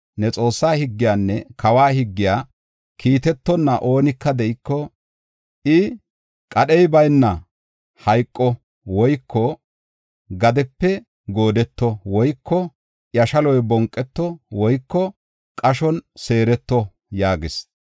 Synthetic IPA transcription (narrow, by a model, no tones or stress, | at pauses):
nɛt͡sʼo̞ːsːaːhɪɡːɪjaːnːɛkʰɐwaːhɪɡːɪjaː | kʰiːt̪ɛt̪ːɔnːɐʔo̞ːnɪkːɐd̪ɛʔɪkːɔ | ʔɪ | kʼɐɗɛjbɐjnːɐ | hɐjkʼːɔ | wɔjkʰːɔ | ɡɐd̪ɛpːɛ | ɡo̞ːd̪ɛt̪ːɔwɔjkʰːɔ | jɐʃɐlɔjbɔŋkʼːɛt̪ːɔwɔjkːɔ | kʼɐʃɔnse̞ːɾɛt̪ːɔ | jaːɡɪs